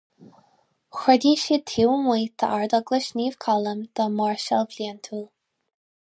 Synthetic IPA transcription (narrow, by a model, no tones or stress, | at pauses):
xɹɛd̪iʃit̪ʰiwnwiːt̪ʰə̰ʔaɹd̪əɡləʃniːv̥kʰɑləmd̪̥əmɑɹʃalvlint̪ʰuːl